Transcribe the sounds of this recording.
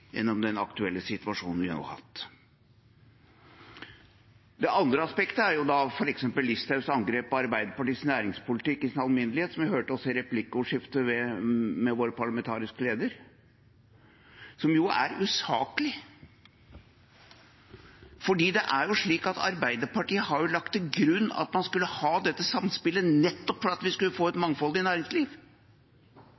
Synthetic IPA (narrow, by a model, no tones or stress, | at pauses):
jɛ̰nːɔmd̪ɛnɑ̰kt̪ʉɛlːəsɪt̪ʉʋɑʂuːnnʋɪhɑ̰no̰ːhɑ̰t̪ː | d̪ɛʔɑnd̪ɾəɑspɛkt̪əæɾjʊd̪ɑfɔɾɛksɛmpəlːɪst̪ʰɑʉsɑŋɡɾeːpːɔɑɾbæɪd̪əpɑʈiːsnæːɾɪŋspʊlɪt̪ɪkːɪsɪnɑlmɪnəlɪheːt̪sɔmʋɪhøːʈɔsɪɾɛplɪkːəʊʂɪft̪əʋɛmɛʋoːɾəpɑɭɑmɛnt̪ʰɑːɾɪskəleːd̪əɾ | sɔmjʊæ̰ɾʉsɑ̰ːkəlɪ | fɔɖiːd̪ɛʔæɾjʊʂɭiːkɑt̪ʰɑ̰ɾbæɪd̪əpɑʈiːəhɑɾjʊlɑk̚t̪ʰːɪɡɾʉnːɑ̰t̪mɑnskʉlːəhɑːd̪ɛt̪ːəsɑmspɪlːənɛt̪ːɔpfɔɾɑt̪ʋɪskʉlːəfoːɛt̪mɑŋfɔlɪnæːɾɪŋsliːʋ